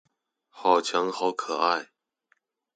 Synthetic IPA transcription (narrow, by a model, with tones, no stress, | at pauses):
xɑ˨˩ʊt͡ɕʰjɑ˧˥ŋxɑ˧˥ʊkʰɤ˨˩a˥˩ɪ